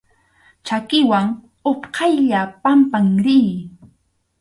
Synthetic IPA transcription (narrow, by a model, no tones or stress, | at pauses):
t͡ʃakɪwaŋ | opqʰɑjʎapampaŋɾiː